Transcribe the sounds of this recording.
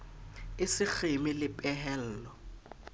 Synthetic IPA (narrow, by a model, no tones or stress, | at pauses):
ɪsɪk͡xʰemɪlɪpʼɛɦɛl̩ːlɔ